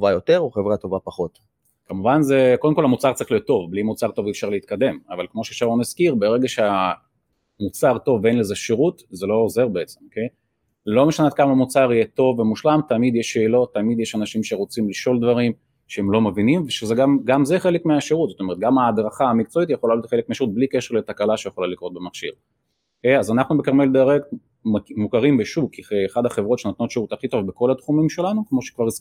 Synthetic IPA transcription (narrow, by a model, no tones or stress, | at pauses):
vajot̪eʁuχevʁat̪o̞vapaχo̞t̪ | kamuvanze̞kod̪emkolhamut͡saʁt͡saʁiχlio̞t̪ːo̞vblimut͡saʁt̪o̞viːfʃaʁleit̪̚kad̪e̞mavalkmo̞ʃeːfʃaʁlonaskiʁbeʁe̞ɡaʃea | mut͡saʁt̪o̞venleze̞ʃeʁut̪ze̞lo̞ːze̞ʁbeet͡semokej | lo̞meʃanet̪̚kamamut͡saʁijet̪o̞vːemuʃlamt̪amid̪jeʃe̞ːlo̞t̪ːamid̪jeʃanaʃimʃe̞ʁot͡simliʃo̞ld̪vaʁim | ʃehemlo̞mevinimveʃezeɡamɡamzeχe̞lekmeaʃeʁut̪zot̪oeʁt̪̚ɡamaːd̪ʁaχaːmikt͡so̞it̪jeχolaloot̪χelekmeaʃeʁut̚blike̞ʃeʁlet̪akalaʃejeχolalikʁo̞t̪̚bemaχʃḭʁ | okejazanaχnubekaʁmeld̪eʁekt | mmukaʁimbeʃukiːχad̪aχe̞vʁo̞tʃenat̪no̞tʃeʁut̪aχit̪ovbeko̞lat̪χumimʃe̞lanukmo̞ʃe̥kvaʁ